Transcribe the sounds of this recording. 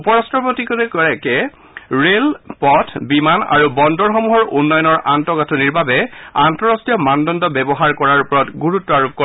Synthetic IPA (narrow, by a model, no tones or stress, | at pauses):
upɔɹastɹɔpotikɔtɛkɔɹɛkɛ | ɹelpɔtʰbimana̰ɹubɔndɔɹxɔmuɦɔɹʔunːɔjɔnɔɹʔantɔɡatʰɔniɹbabɛantɔɹɔstijɔmandɔndɔbɛbɔɦaɹkɔɹaɹupɔɹɔtɡuɹutːɔaɹup̚kɔ